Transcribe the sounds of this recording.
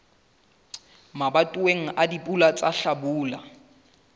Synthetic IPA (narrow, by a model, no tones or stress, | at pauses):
mabatʼuweŋ̩ʔadipʼulat͡sʼaɬabuːla